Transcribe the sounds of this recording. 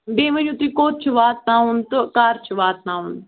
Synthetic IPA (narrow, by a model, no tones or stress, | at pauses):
b̪eːmə̃d͡ʒũːt̪iːkoːt̪̚t͡ʃʰʋaːt̪̚naːɦʊnt̪kaːɾt͡ʃʰʋaːt̪̚nãːʊ̃ːnd̪